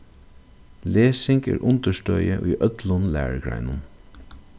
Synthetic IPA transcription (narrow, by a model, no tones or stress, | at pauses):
leːsɪŋɡḛːɹʔʊnt̪əʃʈœʏəʔyːʔœt̪lʊnlæːɹɡɹæ̰ɪnən